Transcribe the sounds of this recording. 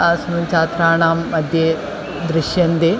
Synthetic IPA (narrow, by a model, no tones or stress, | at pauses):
sɐnut͡ʃaːt̪ɾaːɳaːmːɐd̪ʱjɐ | d̪ɾɪʃjɐnd̪e